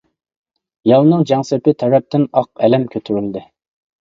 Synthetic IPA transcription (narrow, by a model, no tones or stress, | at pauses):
jɑlˠnɨŋd͡ʒɛŋsɪpɪt̪ʰɛɾɛp̚t̪ɪnɑq̚ɛlɛmkʲʰøt̪ʰyɾyld̪ɪ